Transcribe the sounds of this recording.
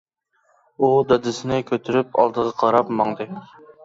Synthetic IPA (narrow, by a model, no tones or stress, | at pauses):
ud̪ɑd̪ɪsɪnɪkʲʰøt̪ʰyɾyp̚ɑ̰lˠd̪əʁɑqʰɑɾɑpmɑŋd̪ɨ